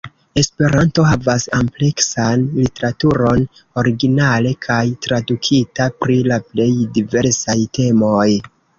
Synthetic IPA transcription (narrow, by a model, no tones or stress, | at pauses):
e̞spe̞ɾanto̞ɦavasample̞ksanlite̞ɾatuɾo̞n | o̞ɾiɡinale̞kʰajtɾadukʰitapɾilaple̞jdive̞ɾsajte̞mo̞j